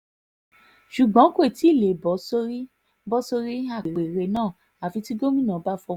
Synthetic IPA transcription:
ʃu˨ɡ͡bã˨˦kʷe˦˨ti˨˦˨le˨bɔ˨˦so˦ɾi˦ | bɔ˦so˧ɾi˦a˦˨e˨ɾe˨ɾe˧˦nãː˦˨ | a˨fi˧ti˦ɡo˦mĩ˦˨nã˨˦ba˦fɔ˧˦

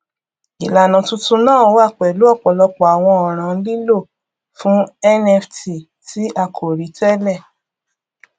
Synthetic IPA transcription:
i˨la˨nã˨˦tũ˦tũ˦nãː˦˨o˦wa˦˨k͡pɛ˨lu˨˦ɔ˦˨k͡pɔ˨lɔ˧k͡pɔ˨a˨w̃ɔ̃˧ɔ˨ɾ̃ã˨˦li˦lo˦˨ | fũ˦ɛ˦nɛ˧fti˨ | ti˨˦ʔa˦˨kʰo˨ɾi˨˦tɛ˦lɛ˦˨

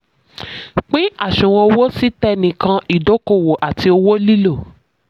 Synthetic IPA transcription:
k͡pĩ˦a˦˨ʃũ˨wɔ̃˧o˧wo˦si˦tɛ˦nĩ˨kã˧ʔi˨do˨˦ko˦˨wo˨ʔa˨ti˧o˧wo˦li˦lo˦˨

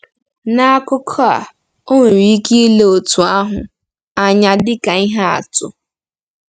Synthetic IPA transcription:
na˦a˦kʊ˦kʰɔ˦a̰˨ | o˦ŋʷe˨ɾi˨˦ki˦i˦le˦o˨tu˨a˦ɦʊ˨ | a˨ɲa˨dɪ˦ka˨i˦ɦa˦a̰˨tʊ̰˨

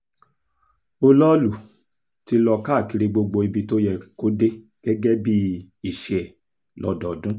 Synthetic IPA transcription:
o˦lɔ˦lu˨ | ti˧lɔ˧ka˦˨ki˨˧ɾi˧ɡ͡bo˧ɡ͡bo˧i˧bi˧˦to˦jɛ˧ko˦de˦ | ɡ̥ɛ˦ɡɛ˦bi˦ | i˦˨ʃɛ˨ | lɔ̰˨˦dɔ˨dũ˦

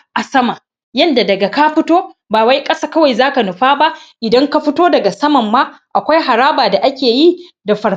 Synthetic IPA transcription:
ʔa˨sɐ˦ma˨ | jɐ˦nda˨dɐ˨ɡa˨ka˦ɸɪ˦toː˦baː˨wa˦jkʼɐ˦saː˨kɐ˦wa˨jzaː˦ka˨nʊ˨ɸaː˦ba˦ʔʔɪ˨dɐ˦ŋka˦ɸɪ˦toː˦dɐ˨ɡa˨sɐ˦mɐ˨mːaː˦ʔa˨kʷa˦jɦa˨ɾaː˦baː˨da˨ʔa˦kʲeː˨ji˦ | da˨ɸɐ˨

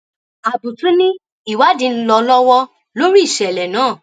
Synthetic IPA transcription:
a˨bu˨tũ˨˦nĩ˦ | i˨wa˨˦dĩ˧˦n̩˦lɔ˧lɔ˦wɔ˦ | lo˦ɾi˦i˦˨ʃɛ˨lɛ˨nãː˨˦˨

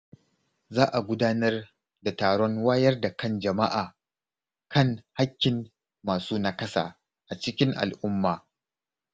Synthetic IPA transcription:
zaː˦ʔa˨ɡʷʊ˦daː˦nɐ˦r | da˨taː˨ɽɔ˦ŋwaː˦jɐ˦rda˨kɐ˦nd͡ʒɐ˨ma˦ʔaː˨ | kɐ˦˨ŋha˦kʲːɪ˨mː | aː˨suː˦na˦kɐ˦sa̰ː˨ | ʔa˨t͡ʃɪ˦kʲɪ˦ŋʔa̰˨lʔʊ˦mːaː˨

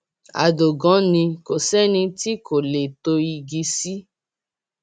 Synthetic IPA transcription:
a̰˨do˨ɡɔ̃˨˦nĩ˧ko˨sɛ˦nĩ˧ti˦ko˨le˨to˧i˧ɡi˧si˦

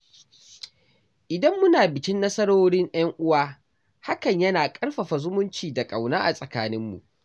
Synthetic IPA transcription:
ʔɪ˨dɐ˦mːʊ˦naː˨bɪ˨kʲɪ˦nːɐ˦sɐ˦ɽoː˦ɽɪ˦ŋʔɐ˦ŋʔʊ˦waː˦ | ha˦kɐ˨ɲjɐ˦naː˨kʼɐ˦ɽɸɐ˨ɸa˨zʊ˦mʊ˦nt͡ʃiː˨da˨kʼa˨wnaː˦ʔa˨sʼɐ˨kaː˦nɪ˦mːṵ˨ʔ

